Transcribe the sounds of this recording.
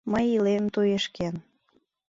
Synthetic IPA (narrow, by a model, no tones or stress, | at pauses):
məjilemt̪ojeʃken